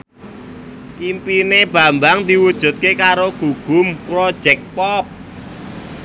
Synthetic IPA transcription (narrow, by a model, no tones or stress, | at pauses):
ʔimpineb̥a̤mbaŋd̪i̤wud̥ʒ̥ṳt̪̚kekaɾoɡ̥ṳɡ̥ʊ̤mpɾɔd̥ʒ̥ɛk̚pɔp̚